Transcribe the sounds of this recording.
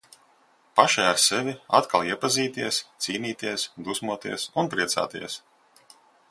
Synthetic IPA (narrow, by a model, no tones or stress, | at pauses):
paʃajaɾsɛvʲiat̪kalˠiɛpaziːt̪iɛst̪siːniːt̪iɛsd̪usmuɔt̪ḭɛsunpɾiɛt̪sa̰ːt̪ḭɛs